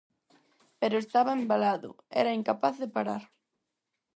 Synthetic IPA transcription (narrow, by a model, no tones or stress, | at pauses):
peɾʊest̪aβɐembalaðʊ̰ | ɛ̰ɾɐiŋkapaθðepaɾaɾ